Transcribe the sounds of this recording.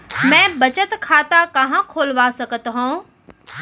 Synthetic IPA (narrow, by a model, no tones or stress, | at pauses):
mɛ̃ːbɐt͡ʃət̪kʰaːt̪akɐɦãkʰoːlʋasɐɡət̪ɦõː